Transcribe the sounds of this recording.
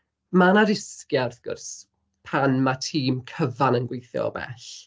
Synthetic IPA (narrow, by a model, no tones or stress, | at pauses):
manaɾɪskjarθɡ̥ʊ̰rs | pʰanmatʰiːmkʰəvanənɡwejθjɔ̰bɛ̰ɬ